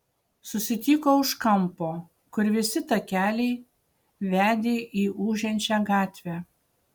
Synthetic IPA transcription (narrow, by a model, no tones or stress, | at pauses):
sʊsʲɪt̪ʲiːkoːʊʃkɐmpoː | kʊɾʲʋʲɪsʲɪt̪ɐkʲæːlʲɛɪ | ʋʲæːd̪ʲeːʔiːʔuːʒʲɛnʲt͡ʃʲæːɡɑːt̪ʲʋʲæː